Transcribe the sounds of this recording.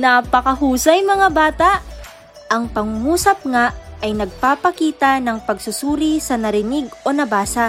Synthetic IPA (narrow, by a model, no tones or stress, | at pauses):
napɐkɐɦuːsɐjmɐŋabaːt̪ɐʔ | ʔɐŋpɐŋmuːsɐp̚ŋaʔʔɐjnɐɡ̚paːpɐkiːt̪ɐnɐŋpɐɡsʊsuːɾisɐnɐɾɪnɪɡʔo̞nɐbaːsɐ